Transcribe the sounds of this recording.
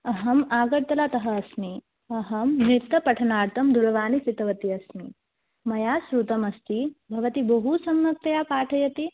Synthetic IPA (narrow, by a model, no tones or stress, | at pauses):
ɐɦɐmaːɡɐɾt̪ɐlaːt̪ɐɦɐːsmi | ɐɦɐmmɾit̪ːɐpɐʈʰɐnaːɾt̪ʰɐmd̪uɾɐʋaːnit͡ʃit̪ɐʋɐt̪iɐsmi | mɐjaːsɾut̪ɐmɐst̪ibʱɐʋɐt̪ibɐɦusɐmnɐk̚t̪ɐjaːpaːʈʰɐjɐt̪i